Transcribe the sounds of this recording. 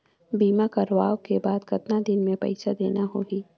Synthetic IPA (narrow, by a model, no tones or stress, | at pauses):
biːmakɐɾʋaːokebaːd̪kɐt̪nad̪ɪnmẽpɐ̰ɪsad̪ḛːnaɦoɦiː